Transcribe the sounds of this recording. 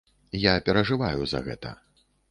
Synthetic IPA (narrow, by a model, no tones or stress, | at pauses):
japʲɛɾɐʐɨvajuzɐ̰ɣɛ̰t̪ɐ̰